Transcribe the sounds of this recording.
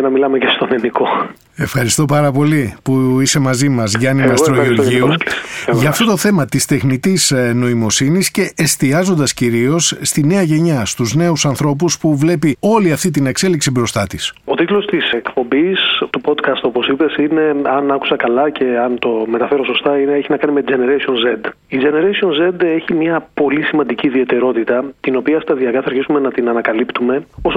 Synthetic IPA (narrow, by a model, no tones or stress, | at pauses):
enɐmilɐmecest̪o̞neniko̞ | e̞fxɐɾist̪o̞pɐɾɐpo̞lipuise̞mɐzimɐzʝɐnimɐst̪ɾoioɾʝiuʝɐːft̪o̞t̪o̞θe̞mɐt̪ist̪e̞xnit̪isno̞imo̞sinisce̞ʔest̪iɐzo̞nd̪ɐsciɾio̞sːt̪ine̞ɐʝe̞ɲɐst̪uzne̞usɐnθɾo̞p̬uspuvle̞pio̞liɐft̪it̪̬ine̞kse̞liksibɾo̞st̪ɐt̪iso̞t̪it̪lo̞st̪ise̞kpo̞mbist̪upo̞d̪kɐst̪o̞po̞sipe̞sine̞ɐnɐku̥sɐkɐlɐcʰe̞ɐnt̪o̞me̞t̪ɐfe̞ɾo̞so̞st̪ɐineeçinɐkɐnime̞t̪id͡ʒe̞neɾesionzed̪ | id͡ʒe̞ne̞ɾesio̞nze̞d̪e̞çimɲɐpo̞lisimɐnd̪iciːðie̞t̪e̞ɾo̞t̪it̪ɐt̪ino̞piɐst̪ɐðiɐkɐθɐɾçisume̞nɐt̪inɐnɐkɐlipt̪ume̞os